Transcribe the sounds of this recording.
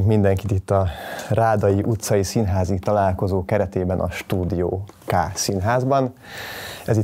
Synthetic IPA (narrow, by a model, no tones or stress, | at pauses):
kmind̪ɛŋkit̪it̪ːɒraːd̪ɒjiʔut̪sɒjisinɦaːzit̪ɒlaːlko̞zoːkɛɾɛt̪eːbɛnʔɒ̰ʃt̪uːd̪ijo̰ː | kaːsinɦaːzbɒn | ɛzi